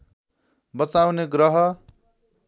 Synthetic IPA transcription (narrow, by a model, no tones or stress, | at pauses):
bʌt͡sawneɡɾʌɦʌ